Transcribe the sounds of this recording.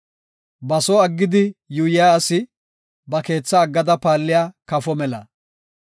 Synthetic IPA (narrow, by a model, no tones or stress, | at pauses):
bɐsɔɐɡːɪd̪ɪjʊjɪjaːsɪ | bɐke̞ːt͡sːɐːɡːɐd̪ɐpaːlːɪjaːkɐfɔmɛlɐ̰